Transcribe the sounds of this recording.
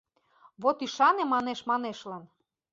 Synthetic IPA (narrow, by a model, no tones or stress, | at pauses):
βot̪iʃɑnemɑneʃmɑneʃlɑn